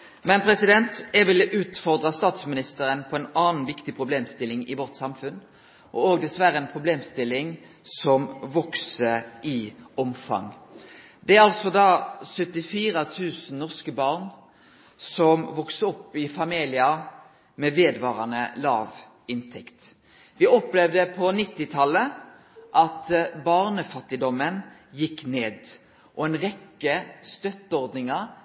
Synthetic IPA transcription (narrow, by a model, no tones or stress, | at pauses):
mɛnpʰɾɛsɪd̪ɛnt̪ɛɡʋɪlʔʉːt̪fɔʁd̪ʁɑst̪ɑːt̪smɪnɪst̪əɾənpʰɔɛnɑːn̩ʋɪkt̪ɪpʰʁʊbleːmst̪ɪlːɪŋɪʋɔʁt̪sɑmfʉn | ʔɔ̰oːɡd̪ɛsʋæɾːəɛnpʰʁʊbleːmst̪ɪlːɪŋ | sɔmʋɔksəʔɪɔmfɑ̰ŋ | d̪ɛæɾɑlsɔd̪ɑːsœt̪ːɪfiːʁət̪ʰʉːsn̩nɔʁskəbɑːʁn | sɔmʋɔksəɔpːɪfɑmiːlɪə | mɛːʋeːd̪ʋɑːʁɑnə̰lɑːʋ | ɪnt̪ʰɛkt̪ | ʋɪɔplɛʋd̪əpʰɔnɪt̪ːɪt̪ʰɑlːə | ʔɑt̪bɑʁnəfɑt̪ːɪd̪ɔmənjɪkːneːd̪ | ʔɔɛnʁɛkːəst̪œt̪ːəɔʁd̪nɪŋəʁ